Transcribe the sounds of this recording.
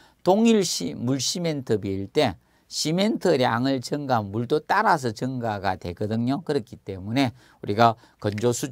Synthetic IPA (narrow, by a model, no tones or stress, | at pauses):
toŋiɭɕimuɭɕimentʰɯbiːɭt͈e̞ | ɕimentʰɯɾea̰ŋɯɭt͡ɕɯŋɡanmuɭt̪ot͈aɾas̬ʰʌt͡ɕɯŋɡaɡatwe̞̰ɡʌdɯŋɲokɯɾʌkʰit͈e̞mune̞ | uɾiɡa | kʌnd͡ʑosʰu